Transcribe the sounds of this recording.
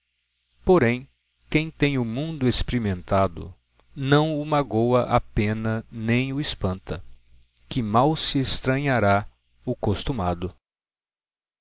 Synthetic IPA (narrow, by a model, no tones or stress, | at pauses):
poɾẽj̃ | kẽj̃t̪ẽj̃ʊmũnd̪ʊespeɾimẽnt̪ad̪ʊ̰ | nɐ̃w̃ʊmaɡowɐʔapẽnɐnẽj̃ʊespɐ̃nt̪ɐ | kɪmawsɪest̪ɾɐ̃ɲaɾa | ʊkost̪umad̪ʊ